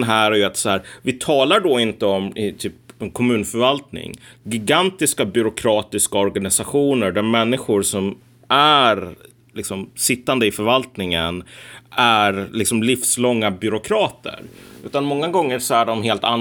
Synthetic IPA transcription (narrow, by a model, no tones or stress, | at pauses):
nɦæːɾæjɵat̪sɔæːɾvɪt̪ʰɑːlaɖɔɪnt̪əɔmɪt̪ʰyːpɛnkʰɔmʉ̟ːnfœɾvalt̪nɪ̰ŋɡɪɡant̪ɪskabʏɾʊkʰɾɑːt̪ɪskaɔɾɡanɪsaɧuːnəɖɛmɛnːɪɧʊɾʂɔm | ʔæɾ | lɪksɔmsɪt̪ːand̪əɪfœɾvalt̪nɪŋənæɾlɪksɔmlɪfslɔŋːabʏɾʊkʰɾɑːt̪ʰə̰ɾʉ̟ːt̪anmɔŋːaɡɔŋːəɾʂɔæɖɔmɦeːlt̪an